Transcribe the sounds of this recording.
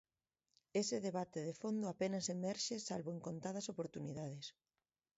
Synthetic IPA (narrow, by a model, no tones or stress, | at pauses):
esɪðeβat̪eðefond̪ʊapenɐsemɛɾʃesalβoeŋkont̪að̞ɐsopoɾt̪uniðað̞es